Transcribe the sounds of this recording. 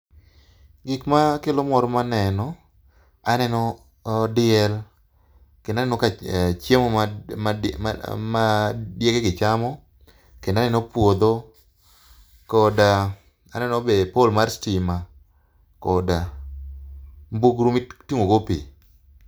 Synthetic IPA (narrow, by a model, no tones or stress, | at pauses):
ɡɪkmakelomɔɾɔmanɛnɔ | anɛnɔ | dɪɛl | kenanɛnɔkat͡ʃemɔ | madjekeɡɪt͡ʃamɔ | kendanɛnɔpwod̪o | kɔda | anɛnɔbepolmaɾstima | kɔda | mbuɡɾumitiŋoɡopḭ